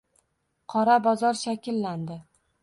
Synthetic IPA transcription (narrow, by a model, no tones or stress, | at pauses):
qʰɒɾabɒzɒɾʃakʲɪlːand̪ɪ